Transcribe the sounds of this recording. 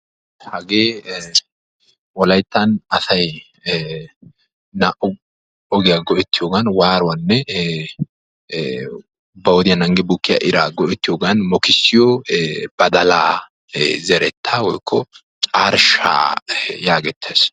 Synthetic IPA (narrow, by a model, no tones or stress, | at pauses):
hɐɡeː | wɔlɐjt̪ːɐnɐsɐj | nɐʔʊ | ɔɡɪjaɡɔʔɛt̪ːɪjoːɡɐnwaːɾʊwɐnːɛ | bɐwɔd̪ɪjɐnɐŋɡɛbukːɪja̰ʔɪɾaːɡɔʔɛt̪ːɪjoːɡɐnmɔkɪsːɪjɔb̥ɐd̪ɐlaː | zɛɾɛt̪ʰːaːwɔjkʰːɔ | t͡ʃʼaːɾʃa̰ːjaːɡɛt̪ʰːeːs